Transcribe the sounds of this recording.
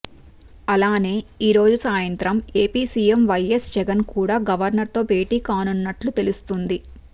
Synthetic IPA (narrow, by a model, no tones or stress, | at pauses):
ɐlaːne̞ːiːɾo̞ːd͡ʒusaːjɐnt̪ɾɐmeːpiːsiːemʋɐjesd͡ʒɛɡɐnkuːɽaːɡɐʋɐɾnɐɾt̪o̞ːbe̞ːʈiːkaːnunːɐʈlut̪e̞lust̪und̪i